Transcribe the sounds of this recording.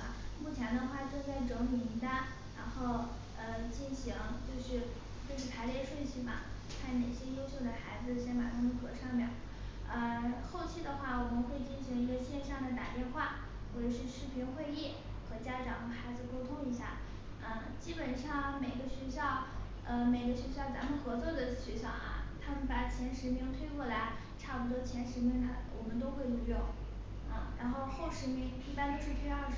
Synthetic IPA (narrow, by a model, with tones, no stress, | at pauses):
mu˥˩t͡ɕʰjɛ˧˥nd̪ə˧xwa˥˧ʈ͡ʂɤ˥˧ŋt͡sa˥˩ɪʈ͡ʂɤ˧˥mu˨˩mi˧˥t̪a˥n | ɻa̰˧˥nxo˥˩ʊ | ə˧t͡ɕi˥˩nɕi˧˥ŋt͡ɕjo˥˧ʊʂɻ̩˥˧ | ʈ͡ʂʂ̩˥˩p̪ʰa˧˥ɪle˥˧ɪʂwe˥˧ɪt͡ɕʰi˥˩bɐ̰˩ | t̪ʰa˥˩ɪne˨˩ɪɕjɛ˥jo˥ʊɕjo˥˩ʊd̪ə˩xa˧˥ɪd͡zɹ̩˧ɕjɛ˧˥ma̰˨˩t̪ʰa˥mə˧nxɤ˧˥ʂɑ˥˧ŋmjɛ˥˩n | ə˧xo˥˧ʊt͡ɕʰi˥˩d̪ə˩xwa˥˩wɔ˨˩mə˦nxwe˥˩ɪt͡ɕi˥˩nɕi˧˥ŋi˧˥ɡə˧ɕjɛ˥˧nʂjɑ˥˩ŋd̪ə˩t̪a˨˩t̪jɛ˥˧nxwa˥˩ | xwɔ˥˩ʈ͡ʂɤ˨˩ʂɻ̩˥˧ʂɻ̩˥˩pʰi˧˥nxwe˥˧ɪjɛ˥˩ | xɤ˧˥t͡ɕja˥ʈ͡ʂɑ˧˥ŋxa˧˥ɪd͡zɹ̩˧ko˥ʊt̪ʰʊ˥ŋi˧˥ɕja̰˥˩ | ə˥˧ | t͡ɕi˥pə˨˩nʂɑ˥˩ŋme˨˩ɪɡə˦ɕɥɛ˧˥ɕjɑ˥˩ʊ | ə˧me˨˩ɪɡə˦ɕɥɛ˧˥ɕ̬jɑ˥˩ʊt͡sa˧˥mə˨˧nxɤ˧˥t͡swɔ˥˩d̪ə˩ɕɥɛ˧˥ɕjɑ˥˩ʊʔɐ̰˩t̪ʰa˥mə˨npa˨˩t͡ɕʰjɛ˧˥nʂɻ̩˧˥mi˧˥ŋt̪ʰwe˥˧ɪkwɔ˥˩la˧˥ɪ | ʈ͡ʂʰa˥˩pu˧˩t̪̬wɔ˥t͡ɕʰjɛ˧˥nʂɻ̩˧˥mi˧˥ŋt̪ʰa˧˩wɔ̰˨˩mə˦nt̪̬o˥ʊxwe˥˧ɪlu˧˥˧jʊ˥˩ | ə̰˧ɻa̰˧˥nxo˥˧ʊxo˥˩ʊʂɻ̩˧˥mi˧˥ŋi˥˩pa˥nd̪ə˨ʂɻ̩˥˩pʰi˥na˞˥˧˩